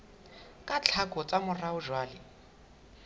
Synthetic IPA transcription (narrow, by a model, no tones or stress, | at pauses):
kʼat͡ɬʰakʼɔt͡sʼamʊraʊʒwaːlɪ